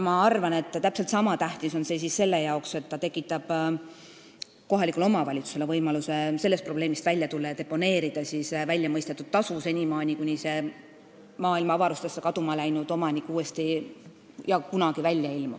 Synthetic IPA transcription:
mɑɑrvɑne̞t̪ːˑt̪æpse̞lt̪sɑmɑt̪æht̪iso̞nse̞ːsisse̞lːe̞jɑokse̞t̪ːɑt̪e̞kːˑit̪ːˑɑb̥ | ko̞ɦɑlʲikˑulo̞mɑvɑlʲit̪su̥se̞levɤjmɑluse̞se̞lːest̪pro̞ble̞ːmist̪vælʲjɑt̪ulːɑjɑd̪epːo̞ne̞ːɾid̪̥ɑsisvælʲjɑmɤjst̪et̪ːˑud̪̥̚t̪ɑsuse̞nʲimɑːnʲikunʲise̞ | mɑːilmɑɑvɑɾust̪esːekɑd̪umɑlæjnud̪̥o̞mɑnʲikːˑuːe̞st̪i | jɑkunɑɡ̥ivælʲːjɑilmu

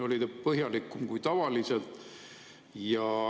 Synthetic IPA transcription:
o̞lid̪epɤɦjɑlikːˑumkujt̪ɑvɑlise̞lt̪ˑ | jɑ

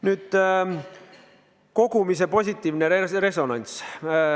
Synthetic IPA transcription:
nyːd̪̥ | ko̞ɡ̥umis̬e̞po̞sʲit̪ːˑiːvnere̞so̞nɑnʲs

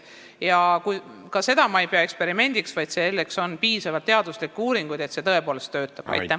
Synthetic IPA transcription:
jɑkukɑse̞d̪ɑmɑejpeɑe̞kspe̞ɾime̞nʲd̪̥iksvɑjd̪selːe̞kso̞npiːsɑvɑt̪t̪ːe̞ɑd̪̥uslikːuːɾiŋɡ̥ujd̪e̞t̪set̪ɤe̞po̞ːle̞st̪ːø̞ːt̪ːˑɑb̥ɑ̰j̪æ

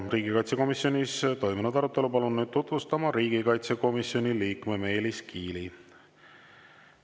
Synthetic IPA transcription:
riːɡikɑjt̪se̞ko̞misjo̞nʲist̪o̞jmunud̪ɑɾut̪ːˑe̞lupɑlunːyːd̪̥̚t̪ut̪vust̪ɑmɑɾiːɡ̥ikɑjt̪se̞ko̞misjo̞nʲiliːkme̞me̞ːliskʰiːli

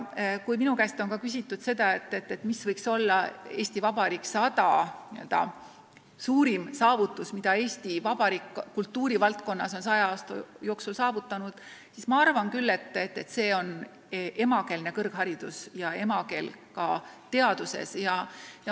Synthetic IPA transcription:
kujminukæst̪o̞nkɑkys̬ʲit̪ːˑud̪̥se̞d̪̥ɑe̞t̪ːˑe̞t̪ːe̞t̪ːˑmisvɤjkso̞lːɑe̞ːsʲt̪ivɑbɑɾiːksɑt̪ɑniø̞ld̪̥ɑ̰ | suːɾimsɑːvut̪ːˑusmid̪̥ɑe̞ːsʲt̪ivɑb̥ɑɾikːult̪ːuːɾivɑlt̪̚ko̞nːɑso̞nsɑjɑɑːst̪o̰joːksulsɑːvut̪ˑːɑnud̪̥sismɑɑrvɑnkylːe̞t̪ːˑet̪ːe̞t̪se̞ːo̞n | ʔe̞mɑke̞lne̞kɤrɡ̥ɦɑɾid̪̥usjɑe̞mɑke̞̰lkɑt̪e̞ɑd̪̥use̞̰sjɑjɑ

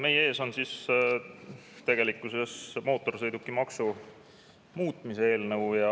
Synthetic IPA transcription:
me̞je̞ːso̞nsis | t̪e̞ɡ̥e̞likːˑuse̞smo̞ːt̪ːˑo̞rsɤ̞jd̪ukːˑimɑksu | muːt̪ˑmisee̞ːlnɤwjɑ

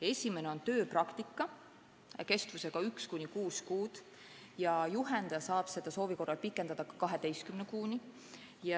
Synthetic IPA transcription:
e̞sʲime̞neont̪ø̞ːprɑkt̪ikːˑɑ | ke̞st̪vuse̞ɡ̥ɑykskunʲikuːskuːd̪̥ | jɑjuɦe̞nd̪ɑjɑsɑːb̥se̞d̪̥ɑso̞ːviko̞rːɑlpikːˑe̞nd̪̥ɑd̪̥ɑkɑ̥kɑɦe̞d̪e̞jst̪kymnekuːni | jɑ

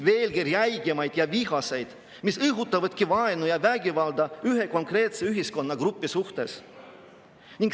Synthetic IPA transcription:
ve̞ːlɡiɾjæjɡ̥emɑjd̪̥jɑviɦɑse̞jd̪̥ | misɤɦut̪ːˑɑvɑd̪̥̚kivɑenujɑvæɡʲivɑld̪ɑyɦe̞ko̞ŋkre̞ːt̪se̞yɦisko̞nːɑɡ̥ɾupːˑisuht̪e̞s | nʲiŋɡ

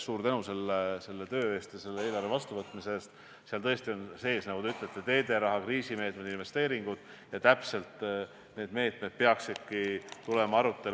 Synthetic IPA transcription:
suːɾt̪ænuse̞lːese̞lːet̪ø̞ːe̞st̪jɑse̞lːee̞ːlɑrvevɑst̪uvɤt̪ˑmise̞st̪ | seɑlt̪ɤ̞est̪io̞nse̞ːsnɑɡ̥ud̪eyt̪ːˑlet̪ːˑe̞t̪e̞ːd̪e̞ɾɑɦɑkriːsime̞ːt̪̚me̞d̪inve̞st̪e̞ːɾiŋɡ̥ud̪̥ | jɑt̪æpse̞lt̪ | ne̞ːd̪me̞ːt̪ˑme̞d̪̥̚peɑksi̥kːit̪ule̞mɑɑɾut̪ːˑe̞

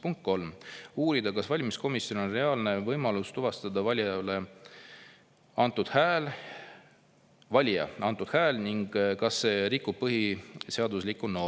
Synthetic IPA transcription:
puŋkt̪̚ko̞lmuːɾid̪ɑkɑsvɑlʲmisko̞misːjo̞no̞nre̞ɑːlne̞vɤjmɑlust̪uvɑst̪ɑd̪ɑvɑlʲjɑle̞ | ɑnt̪ːˑud̪̥hæl | vɑlʲjɑ̰ʔɑnt̪ːud̪̥hæːlniŋɡ̥kɑsːe̞ɾikːˑub̥̚pːɤɦiseɑd̪uslikːˑuno̞

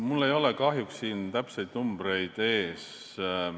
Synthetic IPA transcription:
mulːe̞jo̞lekɑɦjuksːiːnt̪æpse̞jd̪̥numb̥ɾe̞jd̪̥e̞ːs

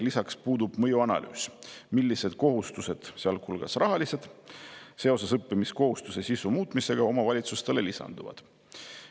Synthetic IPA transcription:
lisɑkspuːd̪ub̥mɤjuɑnɑ̰ly̰ːsmilʲːise̞d̪̥̚ko̞ɦust̪use̞d̪̥seɑlkʰulɡ̥ɑsrɑɦɑlise̞d̪̥se̞o̞sesɤpːimisko̞ɦust̪use̞sisumuːt̪ˑmise̞ɡ̥ɑo̞mɑvɑlʲit̪sust̪e̞le̞lisɑ̰nd̪̥uvɑ̰d̪̥

